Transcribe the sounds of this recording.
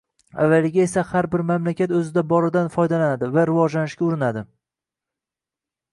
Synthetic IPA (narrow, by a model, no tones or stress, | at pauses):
a̰vːalɪɡʲae̞sahaɾbɪɾmamlakʲʰat̪ɵzɪd̪abɒɾɪd̪anfɒjd̪alanad̪ɪvaɾɪvɒd͡ʒlanɪʃkʲaʊɾɪnad̪ɪ